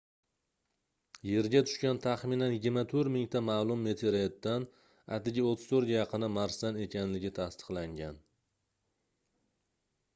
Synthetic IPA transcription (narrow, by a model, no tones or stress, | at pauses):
je̞ɾɡʲat̪ʰʊ̥ʃkʲant̪ʰaχmɪnanjɪɡʲɪɾmat̪ʰɵɾmɪŋt̪ʰamaːlˠʊmːe̞t̪ʰeɾet̪ːan | a̰t̪ɪɡʲɪot̪ʰːɪ̥zt̪ʰɵɾɡʲajɑqʰɨnɪmaɾsane̞kʲʰanlɪɡʲɪt̪ʰast̪ɨ̥qlˠaŋɡʲan